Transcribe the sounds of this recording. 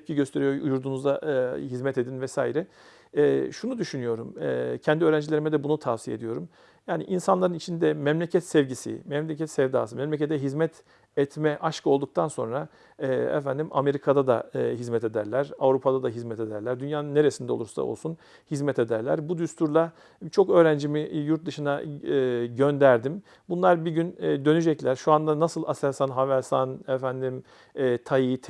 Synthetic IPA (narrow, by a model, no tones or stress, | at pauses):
ɛp̚cʰiɟøst̪ʰe̞ɾijoṵjuɾd̪unuzahizmɛt̪e̞d̪invɛsaːiɾɛː | ʃunud̪yʃynyjo̞ɾumɛcʰɛnd̪iøːɾænd͡ʒilʲe̞ɾimɛd̪ɛbunut̪ʰavsijed̪ijo̞ɾum | jaːniʔinsanlˠaɾɯnit͡ʃʰind̪ɛmɛmlʲecʰɛt̪sɛvɟisḭmɛmlʲecʰɛt̪sɛvd̪a̰ːsɯmɛmlʲecet̪ʰɛɦizmɛt̪ʰ | ɛt̪mɛʔaʃkʰɯo̞lˠd̪uk̚t̪ʰanso̞̰nɾa | ɛɛ̰fænd̪ima̰me̞ɾikʰad̪ad̪a̰ɦizmɛt̪ʰe̞d̪æɾlʲæɾavɾupʰad̪ad̪aɦizmɛt̪ʰe̞d̪æɾlʲæɾd̪ynjaːnɯnːe̞ɾesind̪ɛolˠuɾsa̰olˠsun | hizmɛt̪ʰed̪æɾlʲæ̰ɾbud̪yst̪ʰuɾlˠa | t͡ʃʰo̞kø̞ːɾænd͡ʒimijuɾt̪̚d̪ɯʃɯna | ɟønd̪æɾd̪im | bunlˠaɾbiɟynːd̪ø̞nyd͡ʒɛclʲæɾʃuand̪anasɯlˠasæɾsanɦavæɾsanɛfænd̪im | ɛːt̪ʰajit̪ʰ